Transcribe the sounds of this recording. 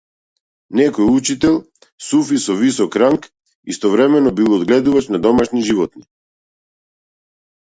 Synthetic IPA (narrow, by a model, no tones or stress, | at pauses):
nɛkɔjut͡ʃit̪ɛlˠ | sufisɔvisɔkɾaŋk | ist̪ɔvɾɛmɛnɔbilˠɔd̪ɡlɛd̪uvat͡ʃnad̪ɔmaʃniʒivɔt̪̚ni